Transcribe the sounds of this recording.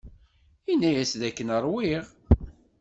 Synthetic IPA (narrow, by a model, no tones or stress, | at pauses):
inːæjæsðækːənəɾˤwɪʁ